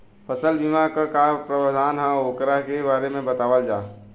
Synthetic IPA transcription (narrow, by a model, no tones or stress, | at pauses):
pʰəsəlbimakakapɾəʋad̪aːnɦãoːkɾaɦkebaːɾemẽbət̪aːʋəld͡ʒaː